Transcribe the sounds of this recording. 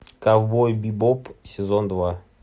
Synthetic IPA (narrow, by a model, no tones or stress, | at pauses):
kavbojbʲibopsʲɪzond̪va